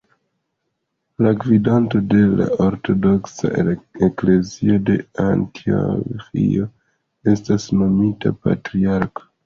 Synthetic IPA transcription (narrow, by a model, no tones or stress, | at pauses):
laɡvidanto̞de̞la̰oɾto̞do̞ksa̰ekle̞zio̞de̞antʰio̰fḭo̞ | e̞stasno̞mita̰pa̰tɾiaɾko̥